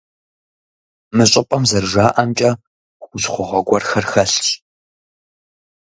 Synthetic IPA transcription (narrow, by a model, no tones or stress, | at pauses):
mɨɕʼɪpʼɐmzɐrʒaːʔɐmt͡ʃʼɐ | χʷʊsχʷʊʁɐɡʷɔrxɐrxɐɬɕ